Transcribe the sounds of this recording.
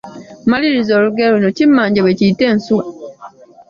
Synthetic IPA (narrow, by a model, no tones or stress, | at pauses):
maliɾizoɾuɡeɾunot͡ʃimːaːɲɟeβeciten̩suwa